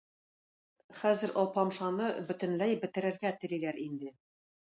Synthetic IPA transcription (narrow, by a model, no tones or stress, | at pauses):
χæzɘ̆ɾʔɒlˠpɑmʃɑnɤbɵ̆t̪ɘ̆nlæjbɘ̆t̪ɘ̆ɾɘ̆ɾɡæt̪ɘ̆lilæɾind̪ɘ